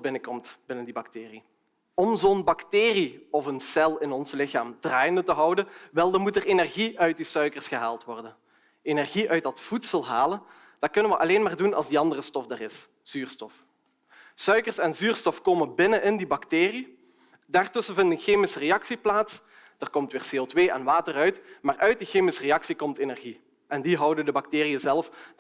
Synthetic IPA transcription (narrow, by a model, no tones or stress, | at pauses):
bɪnəkɔmtbɪnəndibɑktɪːri | ɔmzoːnbɑkteːriɔvənsɛlˠɪnɔnzlɪxa̰ːmd̥raːjəndətəɦʌwdənʋɛlˠdərmutərenɛrɣiœɥt̚disœɥkərsxəɦaːlˠtʋɔrdən | enɛrɣiʔœɥt̚d̥ɑtfutsəlˠɦaːlən | d̥ɑkɵnənʋəʔɑleːnmaːrdunɑ̰lˠzdiɑndərəstɔfdərɪs | z̥yːrstɔf | sœɥkərsɛnzyːrstɔfkoːmənbɪnənʔɪndibɑkteːri | daːrtɵsənvɪndənxeːmɪsərejɑksiplaːts | d̥ərkɔmtʋɪːrseːotʋeːʔɛ̰nʋaːtərœɥtmaːrʔœɥt̚dixeːmɪsəreɑksikɔmtenɛrɣi | ʔɛndiɦʌwdəndəbɑkteːriəzɛlˠf